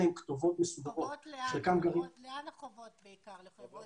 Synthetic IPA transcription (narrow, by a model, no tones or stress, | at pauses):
emkt̪ovot̪mesud̪aʔotʃekamɡavi